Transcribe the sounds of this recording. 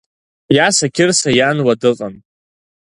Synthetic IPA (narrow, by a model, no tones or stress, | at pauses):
jasakʲʰɪrsajanwadɨqʼan